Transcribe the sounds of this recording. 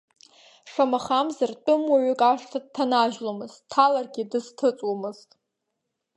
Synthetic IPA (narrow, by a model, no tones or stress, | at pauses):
ʂamaχamzart͡pʼʊmwaʕʏkʼaʂtʰad̚tʰanaʒlomɨz̥tʰːalarɡʲidɨztʰɨt͡sʼwomɨz̥tʼ